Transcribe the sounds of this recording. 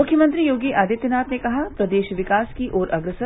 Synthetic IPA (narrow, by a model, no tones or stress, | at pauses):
ʊkʰjəmə̃nt̪ɾijoːɡiʔaːd̪ɪt̪jənaːt̪nekɐɦapɾɐd̪eːʃʋɪkaːskiʔɔːɾʔɐɡɾəsə